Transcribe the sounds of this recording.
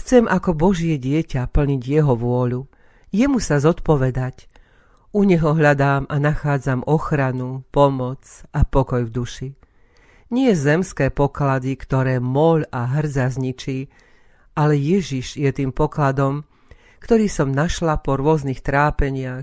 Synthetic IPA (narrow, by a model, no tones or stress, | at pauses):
xt͡sɛmʔakɔbɔʒɪɛɟɪɛcapl̩ɲiɟjɛɦɔʋʊɔʎu | jɛmusazɔt̪pɔʋɛd̪ac | uɲɛɦɔɦʎad̪aːmanaxaːd͡zamʔɔxɾanupɔmɔt͡sapɔkɔjvd̪uʃi | ɲɪɛzɛmskɛːpɔklad̪ikt̪ɔɾɛːmɔʎaɦr̩d͡zazɲit͡ʃiː | ʔalɛjɛʒiʒjɛt̪iːmpɔklad̪ɔm | kt̪ɔɾiːsɔmnaʃlapɔɾʊɔznixt̪ɾaːpɛɲɪax